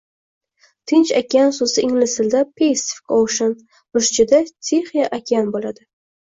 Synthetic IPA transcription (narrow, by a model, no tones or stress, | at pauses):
t̪ʰɪnt͡ʃakʲansozɪʔɪŋlɪsɪld̪apʰejsfɪ̥kowʃan | mʊʃt͡ʃʰɪd̪at͡ʃʰeχijaʔakʲʰanbolad̪ɪ